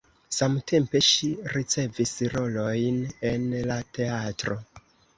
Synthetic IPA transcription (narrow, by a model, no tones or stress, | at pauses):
samtʰe̞mpe̞ʃiɾit͡se̞visɾo̞lo̞jne̞nlate̞atɾo̞